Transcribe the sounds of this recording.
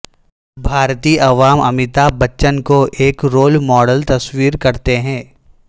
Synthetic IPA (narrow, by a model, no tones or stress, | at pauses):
bʱaːɾt̪iːʔɐʋaːmɐmɪt̪abɐtːʃənkoʔeːkɾoːlmɔːɖəlt̪ɐswiːɾkɐɾt̪eɦɛ̃ː